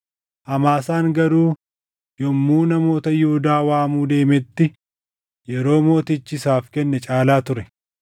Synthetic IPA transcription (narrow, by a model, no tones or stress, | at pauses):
ʔɐmaːsaːŋɡɐɾuː | jɔmːuːnɐmo̞ːt̪ɐjʊhʊd̪aːwaːmuːd̪e̞ːmɛt̪ːɪ | jɛɾo̞ːmo̞ːt̪ɪt͡ʃːɪɪsaːfkɛnːɛt͡ʃʼaːlaːt̪ʊɾɛ